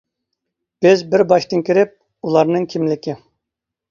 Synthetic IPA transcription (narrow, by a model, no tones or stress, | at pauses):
b̥ɪzbɪɾbɑʃt̪ɨnkʲiɾɪp̚ | ulˠɑɾnɨŋkʲʰimlɪkʲɪ